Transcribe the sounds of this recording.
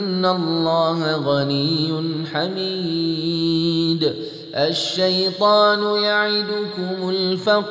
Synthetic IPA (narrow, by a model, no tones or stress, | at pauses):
ɪnːalˤːɑːhaɣanijːʊnħami | d̪ | ʔaʃːajt̪ˤɑːnʊjaʕɪd̪ʊkʊmʊlfaq